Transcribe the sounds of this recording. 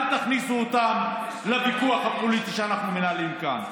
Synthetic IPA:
naχnisuot̪am | lebikuaχhapolit̪iʃeanaχnumenalimka̰n

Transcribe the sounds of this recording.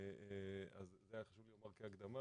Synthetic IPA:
ea̰zːeajaχaʃuvljomaʁkeaɡd̪ama

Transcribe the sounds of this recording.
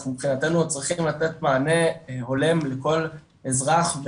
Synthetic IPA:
mipχinat̪enut͡sʁiχimlat̪e̞t̪maːne̞ho̞le̞mleko̞l | ezʁaχv

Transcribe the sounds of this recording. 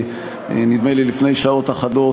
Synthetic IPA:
nid̪melilifnejʃao̞t̪aχado̞

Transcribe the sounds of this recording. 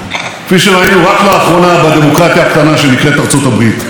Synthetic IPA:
fiʃeʁainuʁaklaːχʁo̞nabad̪e̞mo̞kʁat̪jaːkt̪anaʃe̞nikʁet̪aʁt͡so̞t̪abʁit̪

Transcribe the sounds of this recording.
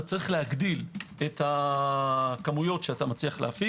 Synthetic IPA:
at͡saʁiχlehaɡd̪iletha | kamujo̞tʃeat̪amat͡sliaχleafi

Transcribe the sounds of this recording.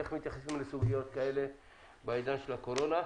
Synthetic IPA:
eχmit̪jaχasimlesuɡijo̞t̪kae̞le̞ | baid̪anʃelako̞ɾo̞na

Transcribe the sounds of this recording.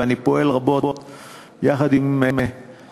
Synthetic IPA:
anipoelʁaboot̪ | jaχad̪imeme

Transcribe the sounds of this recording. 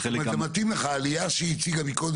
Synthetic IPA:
mzemat̪imleχaːlijaʃeit͡siɡabikod̪

